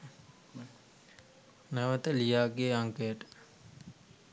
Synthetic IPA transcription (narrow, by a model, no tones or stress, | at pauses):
naʋət̪əlijaːɡejəaŋkəjəʈə̥